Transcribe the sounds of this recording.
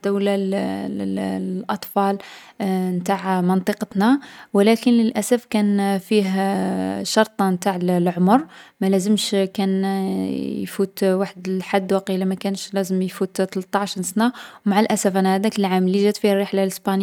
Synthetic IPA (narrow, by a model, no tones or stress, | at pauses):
d̪æwlal | lʔɑt̪ˤfɑl | mt̪aʕmənt̪ˤəqət̪nawəlækənləlʔæsæfkænfiɦ | ʃɑɾˤt̪ˤɑmt̪aʕllʕomɾmælæzəmʃkæn | jfut̪waħd̪lħad̪ːwɑqilæmækænʃlæzəmjfut̪t̪əlt̪ˤːɑʕʃinsnawmaʕəlʔæsæfʔænæhæd̪ækəlʕaməlːiʒæt̪fihrːeħlaləsbɑn